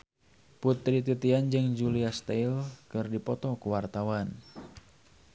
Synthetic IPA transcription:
put̪ɾit̪ut̪iand͡ʒɨŋd͡ʒuliast̪ailkɨrdipɔt̪ɔkuwart̪awan

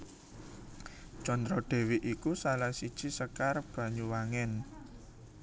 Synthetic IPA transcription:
t͡ʃɔnd̪ɾɔɖ̪̥e̤wiʔikusalahsid̥ʒ̥i̤səkarb̥ä̤ɲuwaŋɛn

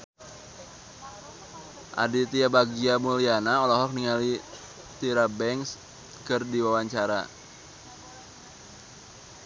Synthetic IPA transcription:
ʔa̰dit̪iabaɡiamulianaɔlɔɦɔk̚niŋali | t̪iɾabɛŋs | kɨrdiwawaɲt͡ʃaɾa̰

